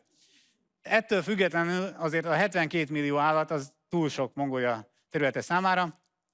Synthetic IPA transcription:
ɛt̪ːøːlfyɡːɛt̪lɛnylɒzeːrt̪ɒɦɛt̪ʋɛŋkeːt̪milːijoːaːlːɒt̪ːɒzt̪uːlʃo̞kmo̞ŋɡoːjɒ | t̪ɛɾylɛt̪ɛsaːmaːɾɒ

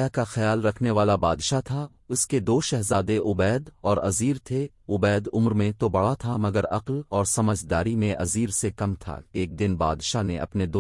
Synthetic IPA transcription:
ɛkaxɐjaːlɾɐkʰneʋaːlabaːd̪ʃat̪ʰa | ʊsked̪oːʃɛɦzaːd̪eʔʊbɛːd̪ɔːɾɐziːɾt̪ʰe | ʊbɛːd̪ʊmɾmẽt̪obɐɽat̪ʰamɐɡəɾɐqlɔːɾsɐməd͡ʒʱd̪aːɾimẽʔɐziːɾsekɐmt̪ʰa̰eːk̚d̪ɪnba̰ːd̪ʃanẽʔɐ̰pned̪o

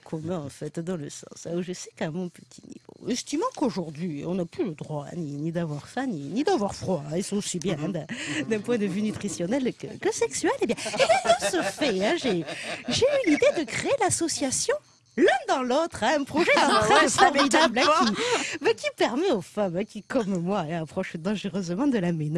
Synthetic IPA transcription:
kʰɔmɛ̃ɑ̃fɛt̪d̪ɑ̃ləsɑ̰̃sɛ̃uʒəsɛ̥kamɔ̃pə̥t̪ʰinḭvo̰ɛ̃sə̥t̪imɑ̃koʒuʁd̪ɥiɔ̰̃naplyləd̪ʁwaɛ̰̃ninid̪avwaʁfɛ̃ninid̪avwaʁfχwaɛ̃isɔ̃osibjɛ̃ɛ̃d̪ɛ̃d̪ɛ̃pwɛ̃d̪əvynyt̪χisjɔnɛlkə̰kəsɛksyɥɛlebjɛ̃elɛ̃d̪ɑ̃səfɛɛ̃ʒeʒeylid̪ed̪əkχeelasɔsjasjɔ̃ | lɛ̃d̪ɑ̃lot̪χɛ̃ɛ̃pχɔʒɛd̪ɑ̃t̪χɛ̃fɔʁmid̪ablɛ̃kimɛkʲipɛʁmɛofamɛ̃kʲikɔmmwaɛ̃apχɔʃd̪ɑ̃ʒəʁøzmɑ̃d̪əlamen

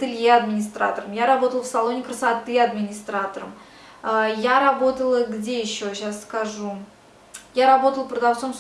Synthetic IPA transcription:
t̪ɨlʲjeɐd̪mʲɪnʲɪst̪ɾa̰t̪əɾəmjaɾɐbo̞t̪əlˠfsalˠo̞nʲɪkɾəsat̪ɨɐd̪mʲɪnʲɪst̪ɾat̪əɾə̰m | əjaɾɐbo̞t̪əlˠəɡdʲejɪɕːo̞ɕasːkaʐu | jaɾɐbo̞t̪əlˠpɾəd̪ɐft̪so̞ms

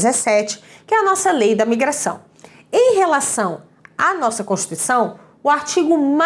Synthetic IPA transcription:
zesɛt͡ʃɪ̥ | kɪɛɐnɔsɐlejd̪ɐmiɡɾasɐ̰̃w̃ | ẽj̃ɦelasɐ̃w̃ | anɔsɐkõʃt͡ʃi̥t̪uisɐ̃w̃ | ʊaɾt͡ʃiɡʊm

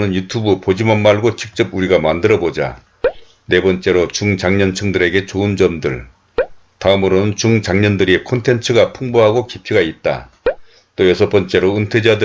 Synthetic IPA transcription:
nɯnjutʰubɯpod͡ʑimanmaɭɡot͡ɕik̚t͡ɕ͈ʌbuɾiɡamandɯɾʌbod͡ʑa̰ | ne̞bʌnt͡ɕ͈e̞ɾot͡ɕuŋt͡ɕaŋɲʌnt͡ɕʰɯŋdɯɾe̞ɡe̞t͡ɕoɯnd͡ʑʌmdɯɭ | taɯmɯɾonɯnt͡ɕuŋt͡ɕaŋɲʌndɯɾikʰontʰe̞nt͡ɕʰɯɡapʰuŋboɦaɡokipʰiɡait̚t͈a̰ | t͈ojʌsʰʌp͈ʌnt͡ɕ͈e̞ɾoɯntʰwed͡ʑadɯ

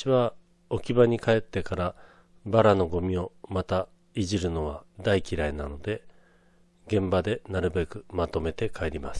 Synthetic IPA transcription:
iβa | o̞kʲibaɲ̟ikae̞t̪ːe̞kaɾa | baɾano̞ɡo̞mʲio̞mat̪a | iʑiɾɯ̟no̞β̞ad̪aikʲiɾainano̞d̪e̞ | ɡẽ̞mbad̪e̞naɾɯ̟be̞kɯ̟mat̪o̞me̞t̪e̞kʰae̞ɾʲimas

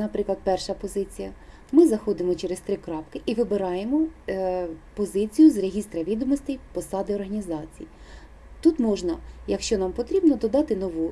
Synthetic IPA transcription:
nɐpɾɪklˠɐd̪̚pɛrʃɐpɔzɪt͡sʲijɐ | mɪzɐxɔd̪ɪmɔt͡ʃeɾest̪ɾɪkɾɑpkɪʔiʋɪbeɾɑjemɔ | pɔzɪt͡sʲijʊzreɦʲist̪ɾɐʋʲid̪ɔmɔsʲt̪ɛjpɔsɑd̪ɪɔrɦɐnʲizɑt͡sʲiji | t̪ut̪mɔʒnɐjɐkʃt͡ʃɔnɑmpɔt̪ɾʲibnɔd̪ɔd̪ɑt̪ɪnɔʋu

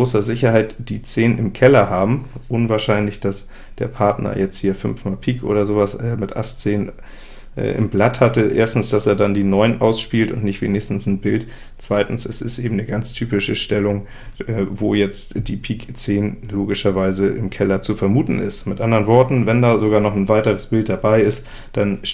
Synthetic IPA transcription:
oːsɐzɪçɐhaɪtd̥iːt͡seːnnɪmkʰɛlɐɦaːbm̩ʔʊnvaːɐʃaɪnlɪçd̥as | d̥ḛːɐpʰaɐtnɐ̰jɛt͡st̚hiːɐfʏnfmaːlpʰiːkʔo̰ːɾɐzoːvasʔɛːmɪtʔa̰stt͡seːn | ʔɛ̰ːʔɪ̰mblathatəʔḛːɐstn̩sd̥aseːɐdandiːnɔʏənʔa̰ʊsʃpiːltʊntnɪçtv̥ḛːnɪçstn̩sn̩bɪlt | t͡sv̥aɪtn̩sɛsɪ̰stʔeːbm̩nəɡant͡stʰyːpɪʃəʃtɛlʊŋ | ʔɛːvo̰ːjɛt͡std̥iːpʰiːkt͡seːnloːɡɪʃɐvaɪzəʔɪmkʰɛlɐt͡sufɛɐmuːtn̩ʔɪ̰stmɪtʔandəʁənvɔɐtn̩vɛndaːzoɡaːɐnɔχn̩vaɪtəʁ̞əsb̥ɪlt̚d̥abaɪɪst | d̥an

